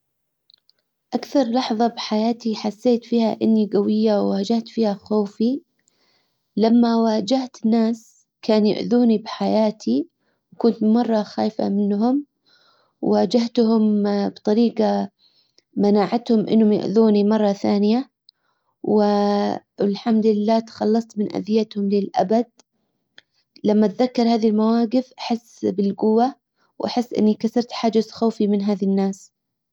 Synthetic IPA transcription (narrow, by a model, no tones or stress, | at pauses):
ʔakθɑɾˤlɑħðˤɑbħajaːt̪iħasːeːt̪fiːhaʔɪnːiɡawɪjːawːaːd͡ʒaht̪fiːhaxoːfi | lamːawaːd͡ʒaht̪ɪnːaːs | kaːnjʊ̰ʕðuːnibħajaːt̪ʰi | wkʊnt̪mɑrˤːɑxaːfa̰mɪnːɦʊm | waːd͡ʒaht̪hʊmbt̪ˤɑɾiːqɑ | manaːʕat̪hʊmʔɪ̰nːhʊmja̰ʔðuːnimɑrˤːɑθaːnɪja | wɪ | ɪlħamd̪lɪlːaːt̪xɑlːɑsˤt̪mɪnʔa̰d̪ɪjat̪hʊmlɪlʔa̰bad̪̚ | lamːat̪ðakːɑɾˤhaːðilmawaːɡɪfʔaħɪsːbɪlɡʊwːa | wʔaħɪsːʔɪ̰nːikasɑɾˤt̪ħaːd͡ʒaxaːfimɪnɦaːðinːaːs